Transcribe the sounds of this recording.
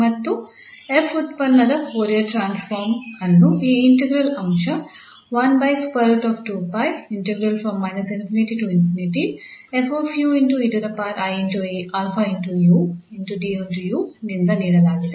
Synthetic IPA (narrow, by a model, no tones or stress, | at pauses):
mɐt̪ːu | efut̪pɐnːɐd̪ɐoːɾijɐʈɾaːnsfoːɾmɐnːuiːiɳʈeɡɾɐlɐmʃɐ | ʋɐnbɐjkspɐɾuʈɔːfʈuːpɐjiɳʈeɡɾɐlfɾɐmːɐjnɐsinfiniʈiʈuinfiniʈiefoːfjuːinʈuiʈud̪ɐpaːɾajeɲd͡ʒoːjiʔaːlfɐinʈujuːinʈuɖiːoɳʈujuːnind̪ɐniːɽɐlaːɡit̪e